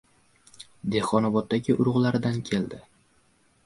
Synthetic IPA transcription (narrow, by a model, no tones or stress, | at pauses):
d̪e̞hqɒnɒbɒt̪̚d̪ːaɡʲɪʔʊɾʊʁlaɾɪd̪ankʲʰe̞ld̪ɪ